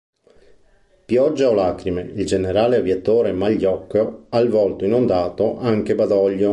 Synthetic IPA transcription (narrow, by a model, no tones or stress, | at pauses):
pjɔd͡ʒːaolaːkɾimeild͡ʒeneɾaːleavjat̪oːɾemaʎːɔkːoalvɔlt̪oinond̪aːt̪oʔaŋk̟ebad̪ɔʎːo